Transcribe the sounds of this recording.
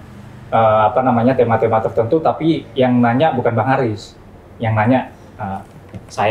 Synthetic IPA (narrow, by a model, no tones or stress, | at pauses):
əːapanamaɲat̪emat̪emat̪ərt̪ənt̪ut̪apijaŋnaɲaʔbukanbaŋaɾɪs | jaŋnaɲaʔ | ə | saj